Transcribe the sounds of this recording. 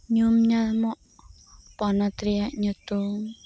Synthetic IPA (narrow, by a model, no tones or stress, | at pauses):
ɲumɲalmɔʔ | pɔnɔt̪ɾiaʔɲut̪uŋ